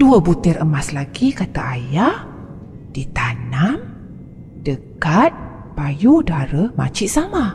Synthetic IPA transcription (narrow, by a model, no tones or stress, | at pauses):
d̥uəbut̪ɛrəmaslaɡikat̪aʔajah | d̥it̪anam | dəkat̪̚ | pajudaɾəma̰t͡ʃiʔsama